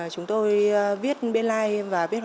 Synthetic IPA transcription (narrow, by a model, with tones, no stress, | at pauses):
t͡ɕʊ˨˦ŋ͡mt̪o˧jvi˦˥ət̚ɓe˧nlaː˧jvaː˨˩vi˦˥ət̚